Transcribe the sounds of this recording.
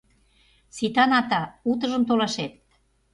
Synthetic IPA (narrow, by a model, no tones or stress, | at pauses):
sit̪ɑnɑt̪ɑut̪̬ɤ̆ʒɤmt̪olɑʃet̪̚